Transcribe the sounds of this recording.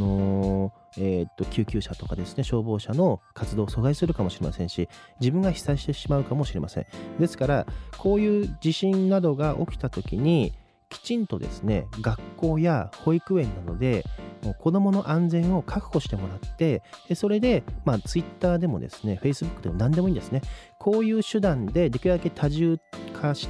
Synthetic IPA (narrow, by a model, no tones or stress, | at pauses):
no̞ | et̪ːo̞kʲʰɨːkʲɨːɕat̪o̞kad̪e̞sɨne̞ɕo̞ːbo̞ːɕano̞kat͡sɨd̪o̞ːso̞zaisɨɾɯ̟kamo̞ɕiɾe̞masẽ̞ɰ̃ɕid͡ʑibɯ̟̃ŋɡaçi̥saiɕi̥t̪e̞ɕimaɯ̟kamo̞ɕiɾe̞masẽ̞̰d̪e̞sɨ̥kaɾakʰo̞ːjɯ̟ːd͡ʑiɕĩnnad̪o̞ɡaʔo̞̰kʲi̥t̪at̪o̞kʲiɲ̟i | kʲi̥t͡ɕĩnt̪o̞d̪e̞̰sɨ̥ne̞̰ɡakːo̞ːjaho̞ikɯ̟ẽ̞nːano̞̰d̪e̞moːkʰo̞d̪o̞mo̞no̞ʔãnd͡zẽ̞ɰ̃o̞kʰakɯ̟̥ho̞ɕi̥t̪e̞mo̞ɾat̪ːe̞eso̞ɾe̞d̪e̞maːt͡sɨit̪ːaːd̪e̞mo̞̰d̪e̞̰sɨ̥ne̞ɸe̞isɨbɯkːɯ̟d̪emo̞nãnd̪e̞mo̞ĩːnd̪e̞sɨne̞kʰo̞ːjɯ̟ːɕɨd̪ãnd̪e̞d̪e̞kʲiad̪aket̪ʰaʑɨːkʰaɕi̥